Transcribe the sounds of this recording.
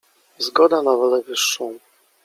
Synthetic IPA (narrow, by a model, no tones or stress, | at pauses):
zɡɔd̪anavɔlɛvɘʂːɔ̃w̃